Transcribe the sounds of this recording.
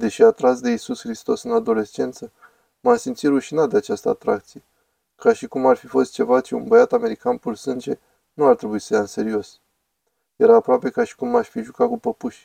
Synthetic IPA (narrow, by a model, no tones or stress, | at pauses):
d̪e̞ʃiat̪ɾasd̪e̞isusxɾist̪o̞sɨnad̪o̞le̞st͡ʃe̞nt̪sə | masimt̪siɾuʃinat̪̚d̪e̞at͡ʃast̪əat̪ɾak̚t̪sije̞ | kaʃikumarfifo̞st̪̚t͡ʃe̞vat͡ʃiunbəjat̪ame̞ɾikanpursɨnd͡ʒe̞ | nuart̪ɾe̞buisə̥jaɨnse̞ɾio̞s | je̞ɾaːpɾoape̞kaʃi̥kumːaʃʲfiʒukakupəpuʃʲ